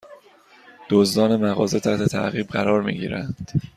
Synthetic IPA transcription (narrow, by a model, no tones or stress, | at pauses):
d̪̥ozd̪ɒːne̞mæɣɒːze̞t̪ʰæht̪ʰe̞t̪ʰæ̰ʔɣiːbɢæɾɒːɾmḭːɟḭːɾændd̪̥